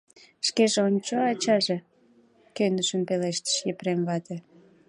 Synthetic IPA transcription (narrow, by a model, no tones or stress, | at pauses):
ʃkeʒeonʲt͡ɕoɑt͡ɕɑʒe | kønəʃəmpeleʃt̪ə̥ʃjepɾemβɑt̪e